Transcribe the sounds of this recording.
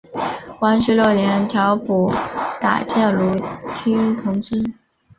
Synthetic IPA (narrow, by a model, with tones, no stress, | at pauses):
wa˧˥nʂɻ̩˧˥ljo˥˩ʊljɛ˧˥nt̪ʰjɑ˧˥ʊpu˨˩t̪a̰˨˩t͡ɕjɛ˥˩nlu˧˥t̪ʰi˥ŋt̪ʰʊ˧˥ŋt͡si˥n